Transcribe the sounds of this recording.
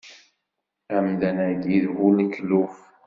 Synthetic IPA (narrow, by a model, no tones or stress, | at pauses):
æmd̪ænæd̪iðhuləkluf